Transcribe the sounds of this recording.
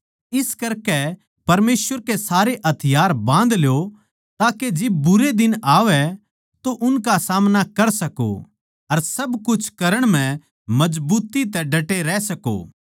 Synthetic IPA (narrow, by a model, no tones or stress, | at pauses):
ɪskɐɾkɛ | pɐɾmeːsʋəɾkesaːɾeʔɐt̪ʰɪjaːɾbãːnd̪ljo | t̪aːked͡ʒɪb̚ːʊɾed̪ɪnaːʋɛ | t̪oʔʊnkasaːmnakɐɾsɐko̰ | ɐɾsɐbkʊt͡ʃʰkɐɾəɽ̃mɛ̃ | mɐd͡ʒbuːt̪it̪ɛɖʱɐʈeɾɛsɐko̰ː